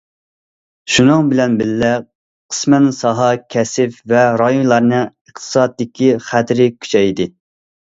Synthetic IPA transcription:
ʃunɨŋbɪlɛnbɪlːɛ | qʰə̥smænsɑɦɑkʲʰɛsɪfvɛɾɑjunlˠɑɾnɨəχt̪ʰɨ̥sɑːd̪d̪ɪkʲiχæt̪ʰɪɾɪkʲʰy̥t͡ʃʰɛjd̪ɪ

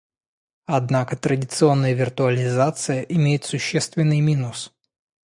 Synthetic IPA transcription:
ɐd̪nakət̪ɾədʲɪt̪sɨo̞nːəjəvʲɪrt̪ʊɐlʲɪzat̪sɨjəʔɪmʲejɪt̪sʊɕːest̪vʲɪnːɨjmʲinʊs

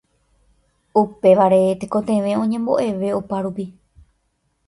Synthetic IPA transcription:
upe̞ʋaɾe̞t̪eko̞t̪ẽʋẽ̞õ̞ɲẽ̞mbo̞̰ʔe̞ʋe̞opaɾupi

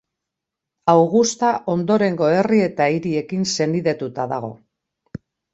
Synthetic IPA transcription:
awɣust̪aʔo̞nd̪o̞ɾe̞ŋɡo̞e̞rie̞t̪aiɾie̞kinse̞niðe̞t̪ut̪aða̰ɣ̞o̞

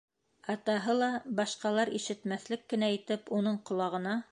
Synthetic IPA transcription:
ɑt̪ɑɦɤlˠɑbɑʃqɑlˠɑɾiʃɘ̆t̪mæθlɘkːɘ̆næit̪ɘpunɤɴqŏlˠɑʁɤ̆nɑ

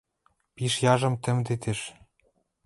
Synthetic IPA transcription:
piʃjɑʒɤ̆mt̪ɘ̆md̪et̪ĕʃ

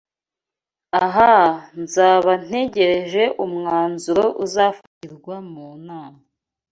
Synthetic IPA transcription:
aɦanzaːβan̥e̞ɟe̞ɾe̞ʒe̞ʔumŋaaːnzuɾo̞ʔuzaːfatiɾɡwamuːnaːma

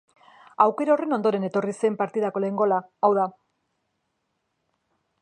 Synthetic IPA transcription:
awke̞ɾaore̞no̞nd̪o̞ɾe̞ne̞t̪o̞rise̞mpaɾt̪iðako̞le̞ŋɡo̞laawða

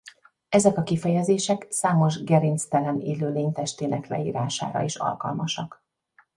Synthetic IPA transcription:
ɛzɛkɒkifɛjɛzeːʃɛksaːmo̞ʒɡɛɾinst̪ɛlɛneːløːleːɲt̪ɛʃt̪eːnɛklɛ̰ḭːɾaːʃa̰ːɾɒ̰eʃɒ̰lkɒ̰lmɒʃɒk

